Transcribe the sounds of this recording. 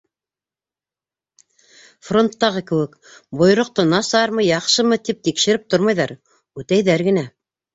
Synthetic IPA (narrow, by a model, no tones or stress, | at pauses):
fro̞nt̪ːɑʁɤkɘ̆wɘk | bŏjɾŏq̚t̪ɤnɑsɑɾmɤjɑqʃɤmɤt̪ip̚t̪ikʃɘ̆ɾɘp̚t̪oɾmɑjðɑɾ | ʉt̪æjðæɾɡɘ̆næ